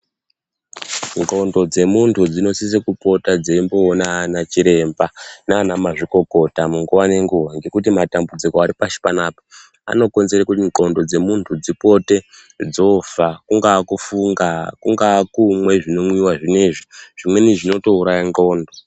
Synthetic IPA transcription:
ŋɡo̞ndo̞d͡ze̞muntʰud͡zino̞sis̬ekupo̞tad͡zeimboːnanat͡ʃiɾe̞mbanaanamaʐiko̞ko̞tamuŋɡuwane̞ŋɡuʋaŋɡe̞kut̬imatambud͡zikoaɾipaʃi̥panaːpo | a̰no̞ko̞nzerekutiŋɡo̞ndo̞d͡ze̞muntʰud͡zipo̞te | d͡zo̞fakuŋɡakufuŋɡakuŋɡakumwe̞ʐino̞mwiwaʐineʐiʐ̥imwe̞niʐino̞to̞uɾajaŋɡo̞ːndo̞

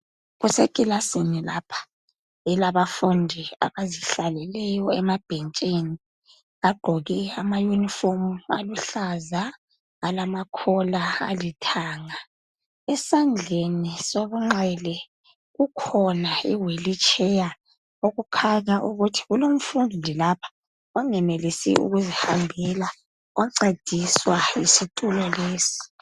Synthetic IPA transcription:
ɣusekʼilasinilapʰḁ | ɛlaβafundʱia̰βaziɬalɛlɛjɔɛmab̥ʱent͡ʃʼini | aɡ͡ǃʱɔɣɛamajunifomua̰luɬaza | alamakʰɔlaa̰litʰaːŋa | ɛsand͡ɮʱenisoβuŋ͡ǁɛlɛ | ɣukʰɔnaiwelit͡ʃʰʼɛja | oɣukʰaɲaʔuɣutʰi̥ɣulom̩fundʱilapʰḁ | ɔŋɛmelisḭṵɣuzihambʱɛla | ɔǀed̥ʱiswaisitʼulɔleːsi̥

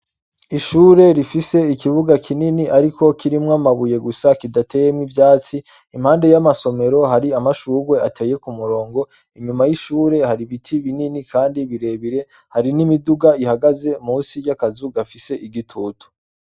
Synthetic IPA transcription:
iʃuːɾe̞ɾifise̞ikiβuɡakʰininiʔaɾiko̞kiɾimŋamaβuje̞ɡusakidatʰe̞jemŋivjaːt͡si | im̥haːnde̞jamaso̞me̞ɾo̞ɦaɾiamaʃuːɡwe̞atʰe̞ːje̞kumuɾo̞ːŋɡo̞ | iɲumajiʃuːɾe̞haɾiβitʰiβininikʰaːndiβiɾe̞βiɾe̞ | haɾinimiduɡaihaɡaze̞muːsijakazuɡafise̞ʔiɡitʰuːtu̥

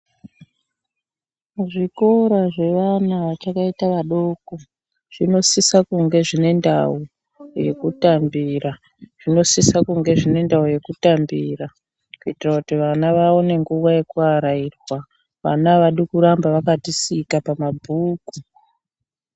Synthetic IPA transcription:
ʐiko̞ɾaʐe̞ʋanaʋat͡ʃakaitaʋaɗo̞ːko | ʐ̥ino̞sisakuŋɡe̞ʐine̞nda̰u | je̞̰kutambiɾa | ʐ̥ino̞sisakuŋɡe̞ʐine̞ndauje̞kutambiːra | kuitirakutiʋanaʋao̞ne̞ŋɡuʋaje̞kuaɾairwa | ʋa̰naʋaɗikuɾambaʋakatisikapamabʱuːku

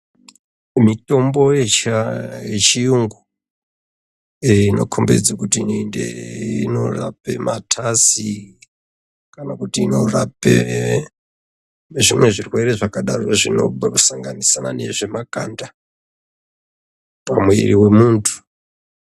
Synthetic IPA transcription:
mito̞mbo̞jet͡ʃajet͡ʃijuŋɡu | ino̞̰kʰombe̞̰d͡zakutinndḛino̞ra̰pe̞̰mʔatʰasi | kanakutiːno̞rapḛ | ʐimwe̞ʐirwe̞ɾe̞ʐakaɗaro̞ʐino̞̰saŋɡanisana̰ne̞̰ʐe̞makanda | pamweriwe̞muːntʰu̥

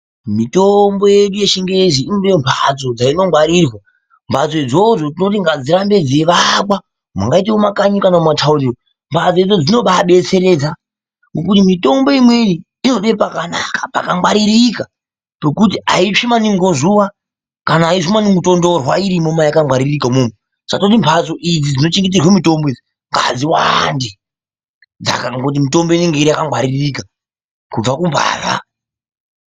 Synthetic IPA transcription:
mitombo̞jeɗuje̞ʃiŋɡeziinudembʰʱa̰t͡so̞d͡zaino̞ŋɡwaɾirwa | mbʱat͡so̞id͡zo̞ʐot̬inotiŋɡad͡ziɾambe̞d͡zeʋakwa | ma̰ŋɡait̬eumakaɲukanaumatʰauriro | mbʱad͡zoid͡zo̞d͡zino̞ɓaɓe̞t͡se̞ɾe̞ːd͡za | ŋɡokutimito̞mbo̞imwe̞niː | no̞ɗepakana̰kḁpa̰kaŋɡwaɾiɾika | pekut̬iaiʂimaniŋɡo̞zuʋa | kanaːiʂumaniŋɡuto̞ndo̞rwaiɾimomajakaŋwaɾirikamume | sakatot̬impʰaso̞ʔid͡zid͡zino̞t͡ʃiŋɡit̬irwemito̞mboid͡zi | ŋɡa̰d͡ziwande | d͡za̰kaŋɡot̬imito̞mbo̞iniŋɡe̞iɾiakaŋɡwaɾirika | kub͡vakumbʱa̰ːra̰

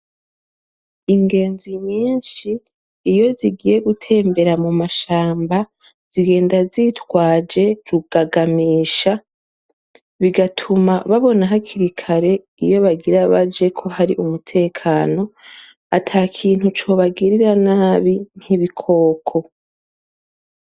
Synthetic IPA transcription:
iŋɡe̞ːnziɲiːnʃiː | jo̞ziɡije̞ɡutʰe̞ːmbe̞ɾamumaʃaːmba | z̥iɡe̞ːndazitwaːd͡ʒe̞ɾuɡ̥aɡamiːʃa | βiɡatʰumaβaβo̞naɦakʰiɾikʰaɾe̞ | ijo̞βaɡiɾaβad͡ʒe̞kʰo̞ɦaɾiʔumutʰe̞ːkʰaːno̞ | atʰaːkʰiːn̥hut͡ʃo̞ːβaɡiɾiɾanaːβin̥hiβikʰo̞ːkʰo̞

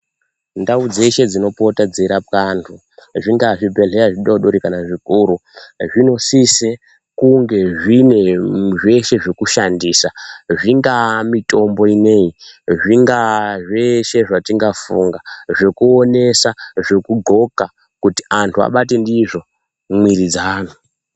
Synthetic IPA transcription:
ndaud͡ze̞ʃe̞d͡zino̞potad͡zeɾapkantʰu | ʐiŋɡaʐibʱe̞ɮeaʐiɗoɗoɾikanaʐikuɾuʐino̞sise | kuŋɡe̞ʐine̞ʐe̞ʃe̞ʐekuʃandiːsaʐiŋɡamito̞mbo̞ine̞iʐiŋɡaʐeʃe̞ʐatiŋɡafṵŋɡaʐe̞kuone̞saʐe̞kuɡʱo̞ka | kuti̥antʰua̰ɓat̬e̞ndiʐo̞ | mwiɾid͡zanu

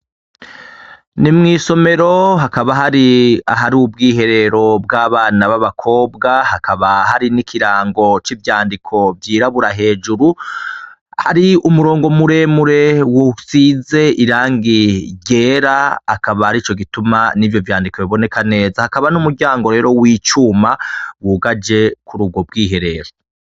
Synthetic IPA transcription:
nimŋiːso̞me̞ɾo̞ɦakaβaɦaɾiaɦaɾubɡiːɦe̞ɾe̞ɾo̞b̚ɡaːβaːnaβaβakʰo̞ːbɡahakaβaɦaɾinikʰiɾaːŋɡo̞t͡ʃivjaːndikʰo̞vjiːɾaβuɾaɦe̞ːd͡ʒuɾu | ha̰ɾiumuɾo̞ːŋɡo̞muɾe̞muɾe̞wusize̞ʔiɾaːŋɡiɟe̞ːɾaakaβahaɾit͡ʃo̞ɡitumanivjo̞vjaːndikoβiβo̞ne̞kane̞ːzahakaβanumuɾɟaːŋɡo̞ɾe̞ːɾo̞wiːt͡ʃuːmawuːɡad͡ʒe̞kuɾuɡo̞b̚ɡiːɦe̞ɾe̞ɾo̞

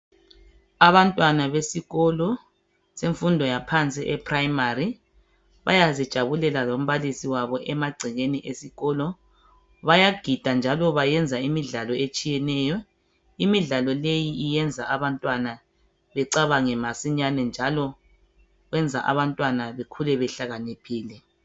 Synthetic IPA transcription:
aβantʼwanaβesiɣɔlɔ | seɱfundʱɔjapʰant͡sʼiʔɛpʰraimari | βa̰jazid̥ʒ̥ʱaβulɛlalom̩βalisiwaβɔʔɛmaɡ͡ǀʱiɣeniʔesiɣɔlɔ | βajaɡ̥ʱid̥ʱand͡ʒʱalɔβajɛnd͡zʱaimiɮalɔet͡ʃʼijɛnɛːjɔ | imiɮalɔlejiːjɛnd͡zʱaaβantʼwana | βɛǀaβaŋɛmasiɲanɛnd͡ʒʱalɔ | ɣwɛnd͡zʱa̰ʔa̰βantʼwanaβekʰulɛβɛɬaɣanipʰiːlɛ

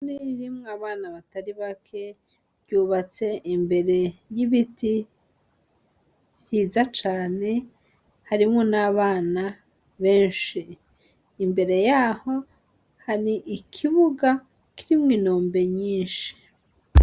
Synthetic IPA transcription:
niiɾimŋaβaːnaβataɾiβakʰe̞ | βjuːβat͡se̞ʔimbe̞ɾe̞jiβiti | βjiːzat͡ʃaːne̞ | haɾimŋonaːβaːna | βe̞ːnʃiː | mbe̞ɾe̞jaho̞ | haɾiʔikʰiβuɡa | kiɾimŋiːnoːmbe̞ɲiːnʃi̥

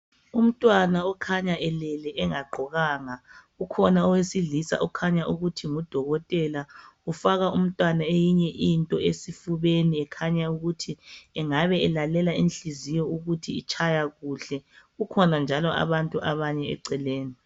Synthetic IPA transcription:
um̩tʼwanaɔkʰaɲaʔɛlɛlɛʔɛŋaɡ͡ǃʱɔɣaːŋa | ukʰɔnaɔwesiɮisa̰ʔukʰaɲaʔuɣutʰiŋud̥ʱɔɣɔtʼɛlaufaɣaum̩tʼwanaejiɲɛʔintʼɔesifuβeniɛkʰaɲauɣutʰiɛŋaβɛɛlalɛlainɬizijɔuɣutʰiit͡ʃʰajaɣuɬɛukʰɔnand͡ʒʱalɔʔa̰βantʼuʔaβaɲɛɛ̰ǀɛleːni

